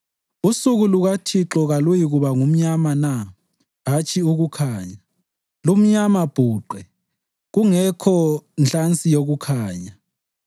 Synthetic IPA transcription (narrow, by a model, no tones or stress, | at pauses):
usuɣuluɣatʰiǁɔɣalujiɣuβaŋum̩ɲamana | ɦat͡ʃʰʼiuɣukʰaːɲa | lum̩ɲamab̥ʱuːǃɛ | ɣuŋɛkʰɔnɬant͡sʼijoɣukʰaːɲa